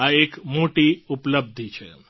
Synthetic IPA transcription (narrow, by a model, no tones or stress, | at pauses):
aekmoʈiupləb̚d̪ʱit͡ʃʰḛ